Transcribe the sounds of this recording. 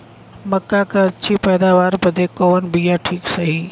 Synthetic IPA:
mɐkːakɐɐt͡ʃʰipɛːd̪aːʋaːɾpɐd̪ekoːnbijaʈʰiːksɐɦiː

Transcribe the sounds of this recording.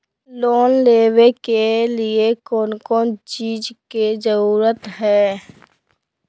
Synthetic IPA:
loːnleːwekeliekɔːnkɔːnt͡ʃiːd͡ʒked͡ʒəɾuːɾət̪ɦɛː

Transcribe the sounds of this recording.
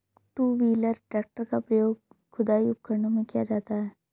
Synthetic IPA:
ʈuːʋiːləɾɖaːk̚ʈəɾkapɾɐjoːɡ | kʰʊd̪aːiʊp̚kəɾnõmẽkijad͡ʒaːt̪aɦɛː

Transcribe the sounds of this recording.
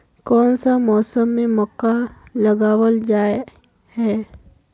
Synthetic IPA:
kɔːnsamɔːsəmːẽmɔːkːalɐɡaːwəld͡ʒaːe | hɛː

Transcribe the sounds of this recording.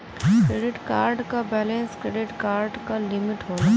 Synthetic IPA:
kɾeːɖɪʈkaːɾɖkabɛːlẽnskɾeːɖɪʈkaːɾɖkalɪmɪʈɦoː

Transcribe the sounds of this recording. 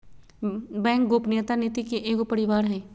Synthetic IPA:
bɛ̃ːŋk̚ɡoːpneːt̪aneːt̪ikeʔeːkopɐɾɪʋaːɾɦɛː

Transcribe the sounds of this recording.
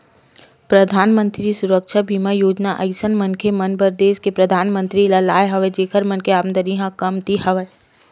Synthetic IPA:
pɾəd̪ʱaːnmə̃nt̪ɾisʊɾəkʃabʱimajoːd͡ʒnaʔɐɪsənmənkʰemənbəɾd̪eːʃkepɾəd̪ʱaːnmə̃nt̪ɾilalaːjɦɐʋed͡ʒeːkʰəɾmənkʰeaːnd̪əɾiɦãkɐmt̪ihɐʋə

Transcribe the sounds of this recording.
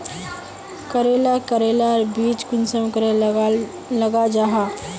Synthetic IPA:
kəɾelakəɾelaɾbiːt͡ʃkʊnsəmkəɾe | ləɡad͡ʒaɦa

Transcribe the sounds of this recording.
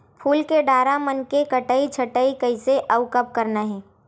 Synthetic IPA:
pʰuːlkeɖaːɾamɐnkekɐʈəit͡ʃʰɐʈəikɐɪseʔɐʊkəp̚kɐɾnaɦɛː

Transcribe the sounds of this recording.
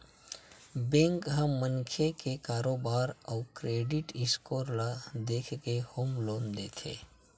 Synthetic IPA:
bẽːŋkɦɐːəŋkʰekekaːɾoːbaːɾɔːkɾeːɖɪʈɪskoːɾlad̪eːkʰkehoːmloːnd̪eːt̪ʰḛː

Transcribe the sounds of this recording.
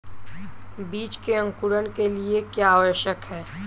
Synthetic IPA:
biːt͡ʃkeə̃ŋkʊɾənkeliekjaːʋəɾʃjəkɦɛː

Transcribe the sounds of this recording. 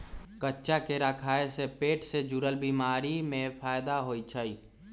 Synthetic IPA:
kətːʃakeɾakʰaːesepeːʈsed͡ʒʊɾəlbiːmaːɾimẽpʰaːjd̪aɦoːit͡ʃʰəiː

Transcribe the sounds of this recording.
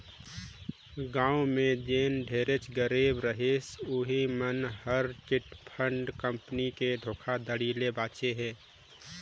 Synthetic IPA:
ɡãːumẽd̪eːnɖʱeːɾet͡ʃɡəɾeːbɾəɦesoɦimənhəɾt͡ʃɪʈpʰəɳɖkə̃mpəniked̪ʱoːkʰad̪əɽiːlebaːt͡ʃeɦɛː

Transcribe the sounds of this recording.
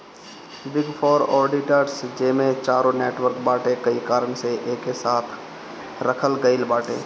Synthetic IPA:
bɪɡpʰɔːɾɔːɾɖɪʈəɾsd͡ʒeːmẽt͡ʃaːɾõneːʈʋəɾkbaːʈẽkəikaːɾəɳseʔeːkːesaːt̪ʰ | ɾəkʰəlɡəɪlbaːʈḛ̃ː

